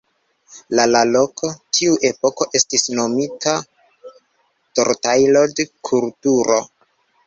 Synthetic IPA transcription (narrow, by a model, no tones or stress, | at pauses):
lalalo̞kʰo̞tʰiuʔe̞po̞ko̞ʔe̞stisno̞mitʰa | toɾtajlodekʰultuɾʔo̞